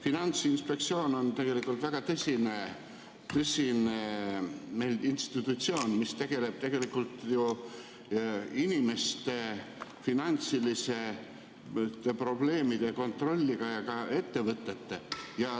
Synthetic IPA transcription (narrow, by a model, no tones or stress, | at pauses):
finɑnt̪sinspe̞k̚t̪sio̞ːno̞nt̪e̞ɡ̥e̞likːˑult̪væɡ̥ɑt̪ɤsʲine | t̪ɤsʲineme̞jlinst̪it̪ːˑut̪sio̞ːnmist̪e̞ɡ̥e̞le̞b̥̚t̪e̞ɡ̥e̞likːˑult̪ju | inʲime̞st̪e̞finɑnt̪silise̞ | t̪e̞pro̞ble̞ːmid̪̥e̞ko̞nt̪ro̞lʲːiɡ̥ɑjɑkɑe̞t̪ːe̞vɤt̪ːˑe̞t̪ːejɑ